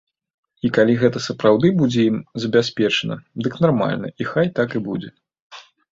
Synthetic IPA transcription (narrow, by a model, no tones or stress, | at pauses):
ikalʲiɣɛt̪ɐsɐpɾawd̪ɨbud͡zʲɛimzɐbʲasʲpʲɛt͡ʂɐnɐ̰d̪ɨknarma̰lʲnɐ̰ʔixajt̪akɨbud͡zʲɛ